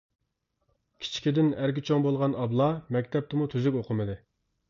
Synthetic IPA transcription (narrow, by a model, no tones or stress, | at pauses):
kʲʰi̥t͡ʃʰi̥kʲid̪ɪnæɾɡʲit͡ʃʰoŋbolˠʁɑnɑblˠɑmɛkʲt̪ʰɛp̚t̪ɪmut̪ʰyzykʲoqʰəmɨd̪ɪ